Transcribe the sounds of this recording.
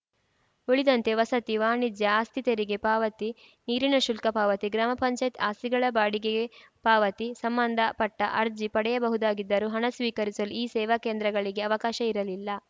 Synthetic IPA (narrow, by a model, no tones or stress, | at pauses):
uɭid̪ɐnt̪e̞ʋɐsɐt̪iʋaːɳid̪jɐaːst̪ʰit̪ɐɾiɡe̞paːʋɐt̪i | niːɾinɐʃulkɐpaːʋɐt̪iɡɾaːmɐpɐɲt͡ʃɐjit̪aːsiɡɐɭɐbaːɽikeɡe | paːʋɐt̪isɐmbɐnd̪ʱɐpɐʈːɐʔɐɾd͡ʒipɐɽɛjɐbɐɦud̪aːɡid̪ːɐɾuɦɐɳɐsʋiːkɐɾisɐluiːsɛːʋɐkeːnd̪ɾɐɡɐɭiɡe̞ɐʋɐkaːʃɐiɾɐlilːɐ